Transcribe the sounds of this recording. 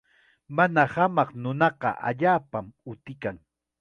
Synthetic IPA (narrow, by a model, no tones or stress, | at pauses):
manahamɑqnʊnɑqɑ̰ʔa̰ʎaːpamʊt̪ɪkaŋ